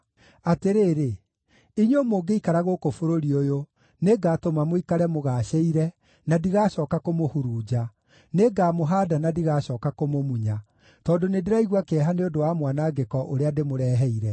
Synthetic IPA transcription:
ateɾeːɾe | iɲomoːɡeikaɾaɣokofoɾoɾiojo | neɡaːtomamoikaɾɛmoɣaɕeiɾɛ | nadiɣaːɕɔːkakomohuɾuːd͡ʑa | neɡaːmoɦaːdanadiɣaːɕɔːkakomomuɲa | tɔːdonedeɾaiɣwakeɛɦaneodowamwanaɡekɔʔoɾeademoɾɛːɦɛiɾɛ

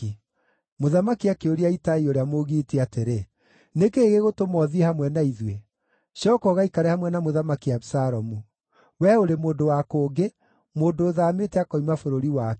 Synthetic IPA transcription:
i | moðamakiakeoɾiaitaioɾeamoɣiːteateɾe | nekeɣeɣotomɔðiehamwɛnaiðwe | ʃɔkɔɣaikaɾɛhamwɛnamoðamakiasaɾɔmu | wɛoɾemoːndowakoːɡe | moːndoːðaːmetɛakɔimafoɾoɾiwa

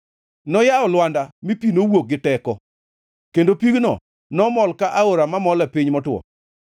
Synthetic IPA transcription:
nɔjaɔlwandamipinowok̚ɡɪtɛkɔ | kendopiɡnɔ̰ | nɔmɔlkaʔaoɾamamɔlɛpɪɲmɔtwɔ̰

